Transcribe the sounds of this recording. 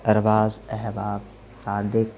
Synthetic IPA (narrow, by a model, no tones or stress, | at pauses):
ɐɾʋaːzɛɦʋaːb | saːd̪ɪk